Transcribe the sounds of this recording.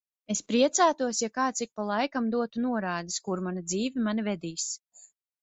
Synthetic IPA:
espɾiɛt̪saːt̪uɔsjakaːt̪sik̚palˠajkamd̪uɔt̪unuɔɾaːd̪iskuɾmanad̪ziːvimanivɛd̪iːs

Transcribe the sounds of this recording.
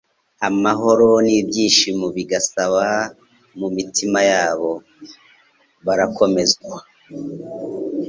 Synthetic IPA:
amaɦo̞ɾo̞niːbjiːnʃimuβiɡasaβa | mumitʰimajaːβo̞ | βaɾako̞me̞zɡwa

